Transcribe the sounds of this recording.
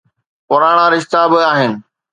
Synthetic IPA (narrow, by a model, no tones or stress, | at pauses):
pʊɾaːɽ̃ãɾɪʃt̪abɪaːɦɪnɪ̆